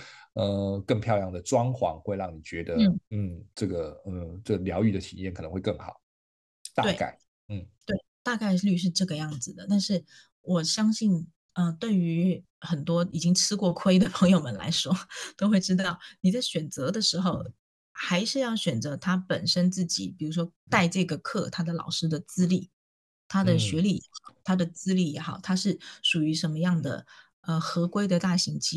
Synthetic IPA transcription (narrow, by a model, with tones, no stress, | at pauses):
ə˧kə˥˧ŋpʰjɑ˥˧ʊjɑ˥˩ŋd̪ə˩ʈ͡ʂwɑ˥ŋxwɑ̰˧˥ŋxwe˥˧ɪɻɑ˥˩ŋni˨˩t͡ɕɥɛ˧˥d̪ə˧˥˩n̩˥˩ʈ͡ʂɤ˥˩ɡə˩ə˧˩ʈ͡ʂə˥˩ɡljɑ˧˥ʊy˥˩d̪ə˩ḭ˨˩njɛ˥˩nkʰnə˧˦xwe˥˧ɪkɤ˥˩ŋxɑ̰˨˩˦ʊ | t̪a̰˥we˧˥˩ɪa̰˥˩ɪ | n̩˥˩t̪we˥˩ɪt̪a˥˧ka˥˧ɪly˥˧ʂ̬ɻ̩˥˧ʈ͡ʂɤ˥˩ɡə˩jɑ˥˩ŋd͡zɹ̩˨˩d̪ə˩t̪a˥˧nʂɻ̩˥˩ | wɔ˨˩ɕjɑ˥ŋɕi˥˩n | ə˧t̪we˥˩ɪy˧˥ | xə˨˩nt̪wɔ˥i˨˩t͡ɕi˥ŋʈ͡ʂʰɻ̩˥kwɔ˥˩kʰwe˥ɪd̪ə˨pʰɤ˧˥ŋjo˥˧ʊmə˨˩nla̰˧˥ɪʂwɔ˥t̪o˥ʊxwe˥˩ɪʈ͡ʂɻ̩˥t̪ɑ˥˩ʊni˨˩t͡sa˥˩ɪɕɥɛ˨˩nt͡sɤ˧˥d̪ə˨˧ʂɻ̩˧˥xo˥˧ʊ | xa˧˥ɪʂɻ̩˥˧jɑ˥˩ʊɕɥɛ˨˩nt͡sɤ˧˥t̪ʰa˥pə˨˩nʂə˥nt͡sɹ̩˥˩t͡ɕḭ˨˩pi˨˩ɻu˧˥ʂwɔ˥ | t̪a˥˧ɪʈ͡ʂɤ˥˩ɡə˩kʰɤ˥˩t̪ʰa˥d̪ə˨lɑ̰˨˩ʊʂɻ̩˥d̪ə˨t͡sɹ̩˥li˥˩ | t̪ʰa˥d̪ə˨ɕɥɛ˧˥li˨˩jɛ̰˧˥xɑ˨˩ʊt̪ʰa˥d̪ə˨t͡sɹ̩˥li˥˩jɛ˧˥xɑ˨˩ʊt̪ʰa˥ʂɻ̩˥˩ʂu˨˩y˧˥ʂə˧˥nmə˧jɑ˥˩ŋd̪ə̰˩ | ə˧xɤ˧˥kwe˥ɪd̪ə˨t̪a˥˩ɕi˧˥ŋt͡ɕʰi˥